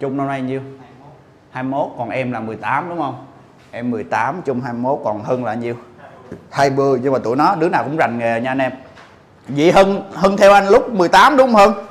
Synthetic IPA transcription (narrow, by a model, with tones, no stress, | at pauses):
t͡ɕʊ˧ŋ͡mno˧wna˧jɲi˧əw | haː˧mmo˦˥t̚kɔ˨˩nʔɛ˧mlaː˨˩mɨ˨˩əjt̪aː˨˦mɗʊ˨˦ŋ͡mhə˧wŋ͡m | ʔɛ˧mːɨ˨˩əjt̪aː˨˦mt͡ɕʊ˧ŋ͡mhaː˧jmo˦˥t̚kɔ˨˩nhəː˧nla̰ː˧˨˩ɲi˧əw | haː˧jɓɨ˧əɲɨ˧ŋ͡mmaː˨˩t̪ṵ˧˨jnɔ˨˦ɗɨ˨˦ənaː˨˩wkʊ̰˧˥ŋ͡mza˨˩jŋ̟ŋe˨˩ɲaː˧nʔɛ˧m | vḭ˧˨ɦəː˧nhəː˧nt̪ʰɛ˧wʔa˧jŋ̟lʊ˦˥k͡p̚mɨ˨˩əjt̪aː˨˦mɗʊ˨˦ŋ͡mhəː˧n